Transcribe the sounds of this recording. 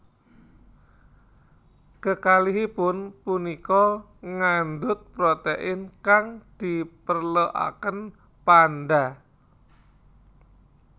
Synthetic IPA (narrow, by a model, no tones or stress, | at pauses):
kəkaliɦipʊnpunikɔ | ŋand̪ʊt̪̚pɾot̪eʔɪnkaŋd̪̥ipərləʔa̰kən | panɖa